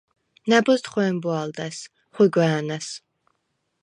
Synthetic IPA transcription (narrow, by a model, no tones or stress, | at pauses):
nabɔst̪χɛmbuald̪as | χwiɡwɛːnas